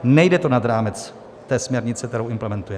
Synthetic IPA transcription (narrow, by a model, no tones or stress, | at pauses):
nɛjdɛt̪onad̪ɾaːmɛt͡s | t̪ɛːsmɲɛɾɲɪt͡sɛkt̪ɛɾo̞wʔɪmplɛmɛnt̪ujɛ